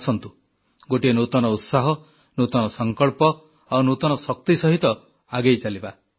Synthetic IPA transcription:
sɔnt̪u | ɡoʈienut̪ɔnɔut̪saɦɔ | nut̪ɔnɔsɔŋkɔɭpɔ | awnut̪ɔnɔsɔk̚t̪isɔɦit̪ɔ | aɡejt͡ʃaliba

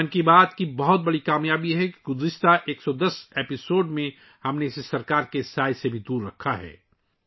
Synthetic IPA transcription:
ʊnkibaːt̪kibɐɦʊt̪̚bɐɽikaːmjaːbijɦɛki̥ɡʊzɪʃt̪aʔeːksɔd̪ɐseːpɪsoːɖmẽ | hɐmneɪsesɐɾkaːɾkesaːjsebʱid̪uːɾːɐkʰːaɦɛ̰ː

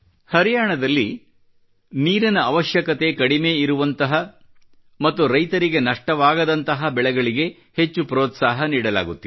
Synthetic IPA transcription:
hɐɾijaːɳɐd̪ɐlːi | niːɾɐnɐːʋɐʃjɐkɐt̪e̞kɐɽime̞ːiɾuʋɐnt̪ɐɦɐ | mɐt̪ːuɾɐjt̪ɐɾiɡenɐʂʈɐʋaːɡɐd̪ɐnt̪ɐɦɐbɛɭɛɡɐɭiɡe̞ | he̞t͡ʃːupɾoːt̪saːɦɐniːɽɐla̰ːɡut̪ːi

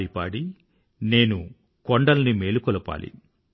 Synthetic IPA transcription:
ipaːɽi | ne̞ːnu | kɔɳɖɐlnimeːlukɔlɐpa̰ːlḭ

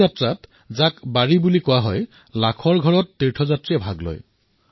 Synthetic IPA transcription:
atɹat | zakbaɹibulikʊwaɦɔj | lakʰɔɹɡʱɔɹɔtːiɹtʰɔzatɹijɛbʱaɡlɔ̰j

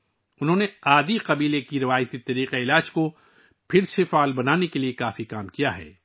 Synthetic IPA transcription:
ʊnɦõːneaːd̪iqɐbiːlekiɾɪʋaːjt̪it̪ɐɾiːqeɪlaːd͡ʒko | pʰɪɾsefaːlbɐnaːnekeliekaːfikaːmkijaɦɛ̰ː

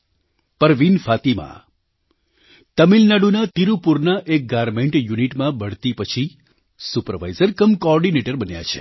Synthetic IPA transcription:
pəɾʋinfat̪imã̰ | t̪əmilnaɽunat̪iɾupuɾnaʔek̚ɡaɾmeɳʈjuniʈmãbəɽ̤t̪ipət͡ʃʰi | supəɾʋa̰jzəɾkəmkɔɔɾɖineʈəɾbənja̰t͡ʃʰḛ

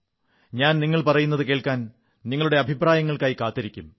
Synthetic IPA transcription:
ɲaːnniŋːɐɭpɐrɐjunːɐðɨke̞ːɭkːaːn | niŋːɐɭuɽe̞ɐbʱipraːjɐŋːɐɭkaːjikaːt̪ːɐɾikʲːum

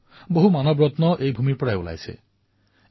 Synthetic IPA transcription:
boɦumanɔbɹɔt̪nɔʔejbʱumiɹpɔɹajṵla̰jsḛ

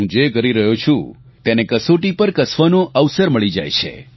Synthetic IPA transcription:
ũd͡ʒekəɾiɾəɦot͡ʃʰṵ̃ | t̪enekəsoʈipəɾkəsʋanoʔəʋsəɾməɭid͡ʒa̰jt͡ʃʰḛ

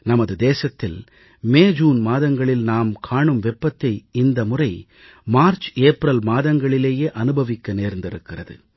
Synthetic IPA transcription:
nɐmɐðɯd̪eːsɐt̪ːɪl | meːd͡ʒuːnmaːðɐŋɡɐɭɪlnaːmkʰaːɳɯmʋɛpːɐt̪ːɐɪɪnd̪ɐmʊrɐɪ | maːɾt͡ʃeːpɾɐlmaːðɐŋɡɐɭɪleːjeːʔɐnɯbɐʋɪkːɐneːɾnd̪ɪɾɯkːɪrɐðɯ̰

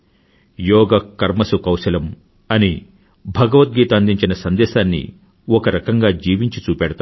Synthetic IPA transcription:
jɔːɡɐkɐɾmɐsukɐwʃɐlɐm | ɐni | bʱɐɡɐʋɐt̪̚ɡiːt̪ɐːnd̪iɲt͡ʃinɐsɐnd̪ɛːʃaːnːḭ | ɔkɐɾɐkɐŋɡaːd͡ʒiːʋiɲt͡ʃit͡ʃuːpɛːɽɐt̪a

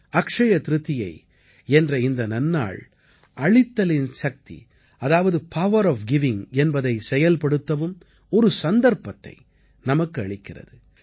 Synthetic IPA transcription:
ɐkʂɐjɐt̪ɾɯt̪ːɪjɐɪ | ɛndrɐɪnd̪ɐnɐnːa̰ːɭ | ʔɐɭɪt̪ːɐlɪnsɐk̚t̪ḭ | ɐðaːʋɐðɯpʰɐʋɐɾɔːfɡɪʋɪŋɛnbɐðɐɪsɛjɐlpɐɽɯt̪ːɐʋɯm | ɔɾɯsɐnd̪ɐɾpɐt̪ːɐ̰ɪ | nɐmɐkːɯɐɭɪkːɪrɐ̰ðɯ

